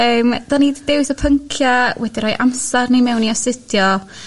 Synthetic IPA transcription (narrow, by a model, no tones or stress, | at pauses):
əːmd̥aniddɪwɪθɔpʰəŋkʰjawʔɛdiɾɔjʔamsarnimɛwniɔsɪd̥jɔ